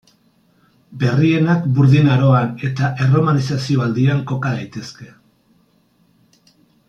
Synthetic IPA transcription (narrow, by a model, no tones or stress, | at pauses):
be̞rie̞nakbuɾðinaɾo̞ane̞t̪aʔe̞ro̞manisasio̞ald̪iaŋko̞kaðajt̪e̞ske̞